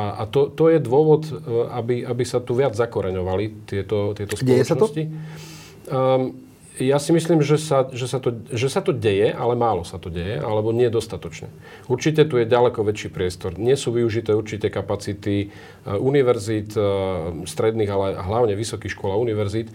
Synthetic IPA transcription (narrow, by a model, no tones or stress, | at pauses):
aa̰t̪ɔt̪ɔjɛd̪ʋʊɔʋɔt̪abiʔabisat̪uʋɪad͡zzakɔɾɛɲɔʋalit̪ɪɛt̪ɔt̪ɪɛt̪ɔsplɔjɛsnɔɔsci | jasimisliːmʒɛsaʒɛsat̪ɔʒɛsat̪ɔɟɛjɛʔalɛmaːlɔsat̪ɔɟɛjɛʔa̰lɛbɔɲɪɛd̪ɔst̪at̪ɔt͡ʃɲɛ̰ | uɾt͡ʃicɛt̪ujɛɟalɛkɔʋɛt͡ʃiːpɾɪɛst̪ɔɾɲɪɛsuːʋiuʒit̪ɛːuɾt͡ʃicɛkapat͡sit̪i | uniʋɛɾzit̪ | st̪ɾɛd̪niːɣalɛɛʔa̰ɦlaʊɲɛʋisɔkixʃkɔlauniʋɛɾzit̪